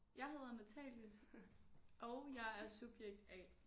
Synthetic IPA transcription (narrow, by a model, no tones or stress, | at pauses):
jɑ̈ɪɦe̝ðˠɐnæt͡sʰɛ̰ːljəs | ʔɒʊjɑ̈ɪæɐsub̥jeɡ̥̚d̥ɛ